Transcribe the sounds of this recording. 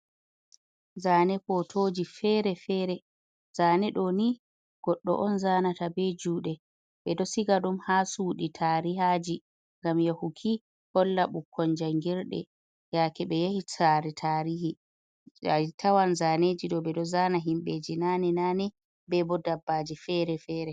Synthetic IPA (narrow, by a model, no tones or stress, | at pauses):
zaːnɛkɔtʰoːd͡ʒifɛːɾɛfɛːɾɛ | zaːnɛɗɔni | ɡ̥ɔɗːɔ̰ʔɔnzaːnatabɛd͡ʒuːɗɛ | ɓɛdɔsiɡaɗumhasuɗitʰaːɾiɦad͡ʒi | ŋɡamjahukʰi | hɔlːaɓukʰːɔnd͡ʒaŋɡiɾɗɛ̰ | jakɛɓɛjahitaɾɛtʰaɾihi | tʰawanzaːneːd͡ʒiɗɔbɛdɔzaːnaɦimɓed͡ʒinaːnɛnaːnɛ | bɛbɔdabːad͡ʒifɛɾɛfɛːɾɛ